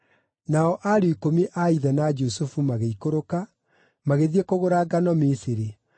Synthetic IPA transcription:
naɔʔaɾeikomiʔaiðɛnad͡ʒusufumaɣeikoɾoka | maɣeðiekoɣoɾaɡanɔmisiɾe

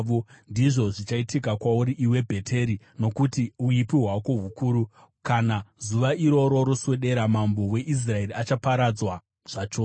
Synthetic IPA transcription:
ondiʐo̞ʐit͡ʃaitikakwauɾiʔiwe̞bʱe̞tʰe̞ɾi | no̞kutiuipiɦwako̞ɦukuːɾu | kanazuʋaiɾo̞ɾo̞ɾosweɗe̞ɾamambo̞we̞ʔis̬rae̞ɾiat͡ʃapaɾad͡zwa | ʐ̥at͡ʃoː

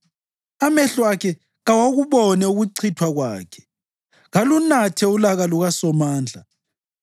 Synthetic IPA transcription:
amɛɬwakʰɛ | ɣawaɣuβɔnɛuɣuǀʰitʰwaɣwa̰ːkʰɛ̥ | ɣalunatʰɛulaɣaluɣasɔmaːnd͡ɮʱa

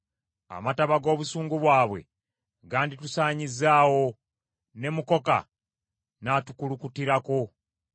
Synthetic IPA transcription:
a̰mataβaɡo̞ːβusuːŋɡuβwaːβwe̞̰ | ɡaːnditusaːɲizːaːwo̞ | ne̞muko̞ka̰ | natukulukutiɾako̞

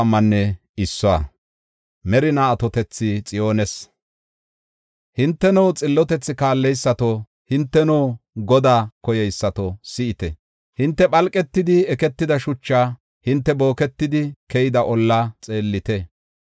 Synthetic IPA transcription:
mːɐnːɛ | ɪsːɔa̰ | mɛɾɪnaːt̪ɔt̪ɛt͡sːɪt͡sʼɪjo̞ːnɛs | hɪnt̪ːɛnɔwt͡sʼɪlːɔt̪ɛt͡sːɪkaːlːɛjsːɐt̪o | hɪnt̪ːɛnɔwɡɔd̪aːkɔjɛjsːɐt̪ɔsɪʔɪt̪ɛ | hɪnt̪ːɛpʼɐlkʼɛt̪ːɪd̪ɪɛkɛt̪ːɪd̪ɐʃʊt͡ʃːaː | hɪnt̪ːɛbo̞ːkɛt̪ːɪd̪ɪkɛjɪd̪ɐʔɔlːat͡sʼe̞ːlːɪt̪ɛ

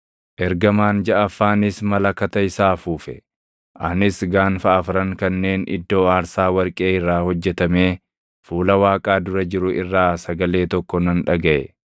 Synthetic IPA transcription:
ʔɛɾɡɐmaːnd͡ʒɐʔɐfːaːnɪsmɐlɐkɐt̪ɐɪsaːfuːfɛ | ʔɐnɪsɡaːnfɐʔɐfɾɐŋkɐnːe̞ːnʔɪ̰d̪ːo̞ːaːɾsaːwɐɾkʼe̞ːɪrːaːhɔd͡ʒːɛt̪ɐmeː | fuːlɐwaːkʼaːd̪ʊɾɐd͡ʒɪɾʊʔɪrːaːsɐɡɐle̞ːt̪ɔkːɔnɐnᶑɐɡɐʔɛ̰

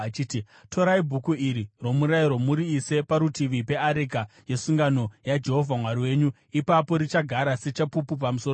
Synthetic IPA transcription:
at͡ʃiti | tʰo̞ɾaibʱukuiɾiro̞muɾaiɾomuɾiːse̞paɾutiʋipe̞aɾikaje̞suŋɡano̞jad͡ʒe̞ɦo̞vʱamwaɾiwe̞ɲu | ipapo̞ɾit͡ʃaɡʱaɾase̞t͡ʃapupup̬amuso

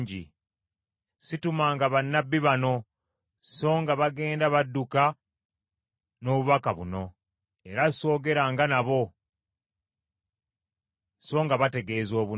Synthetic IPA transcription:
ɲɟḭ | situmaːŋɡaβanːabːiβano̞ | so̞ːŋɡaβaɡe̞ːndaβadːuka | no̞ːβuβakaβuno̞ | e̞ɾaso̞ːɡe̞ɾaːŋɡanaβo̞ | so̞ːŋɡaβate̞ɡe̞ːzo̞ːβu

